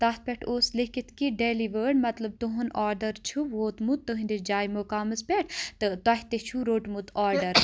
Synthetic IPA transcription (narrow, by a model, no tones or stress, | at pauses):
t̪aːt̪̚ʰpʲeʈʰoːslikit̪kiɖeːliʋəːɽmɐt̪lɐb̚t̪uɦunaːɾɖɐɾt͡ʃʰuʋoːt̪mut̪̚t̪ːəɦind̪id͡ʒaːjmokaːmɐspʲeʈʰt̪ɨt̪ɐɦʲt̪et͡ʃʰuɾoːʈmut̪aːɾɖɐɾ